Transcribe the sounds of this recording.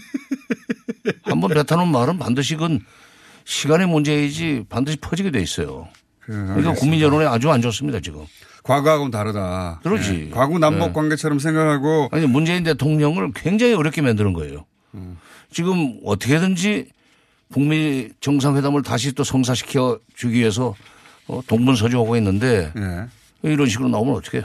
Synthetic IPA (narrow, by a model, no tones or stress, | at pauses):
hambʌnpe̞tʰanonmaɾɯnpandɯɕ̬ʰiɡɯn | ɕʰiɡanemund͡ʑe̞id͡ʑipandɯɕʰi̥pʰʌd͡ʑiɡidwe̞is͈ʌ̰jo̰ | kkɯakuŋmiɲjʌɾonead͡ʑuand͡ʑos̬͈ɯmɲidat͡ɕiɡɯ̰m | kwaɡoaɡʌmtaɾɯdatɯɾʌd͡ʑḭkwaɡunammbok͈waŋɡe̞t͡ɕʰʌɾʌms̬ʰeŋɡakʰaɡoaɲimund͡ʑe̞inte̞tʰoŋɲʌŋɯɭkwe̞ŋd͡ʑaŋiʌɾjʌk͈emandɯɾɯnɡʌe̞̰jo̰ | t͡ɕiɡɯmʌ̰tʰʌkʰe̞dɯnd͡ʑi | kuŋmit͡ɕʌŋs̬ʰaŋɸwe̞damɯɭtaɕʰit͈osʰʌŋs̬ʰaɕʰi̥kʰjʌt͡ɕuɡiɥie̞s̬ʰʌ | toŋbuns̬ʰʌd͡ʑuɦaɡoinːɯnde̞ne | iɾʌnɕʰiɡɯɾonaomɯnʌt͈ʰʌ̥kʰe